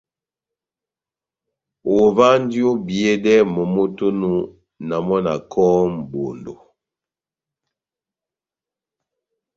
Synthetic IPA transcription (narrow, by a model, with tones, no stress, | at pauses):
o˨va˦n˦djo˦bje˦dɛ˦mɔ˨mo˦to˦nu˦ | na˨mɔ˦na̰˨kʰɔ˦m˨bo˨ndo˨